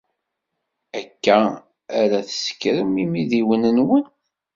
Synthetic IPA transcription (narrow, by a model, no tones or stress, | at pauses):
ækːæː | ɾæθə̥sə̥kɾəmimiðiwənənwən